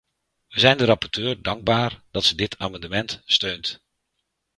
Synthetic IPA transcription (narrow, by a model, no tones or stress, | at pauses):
ʋəzɛjndəɾɑpɔɹtøːɹdɑŋɡ̚baːɹdɑtsədɪtʰaːmɑndəmɛntstøɥnt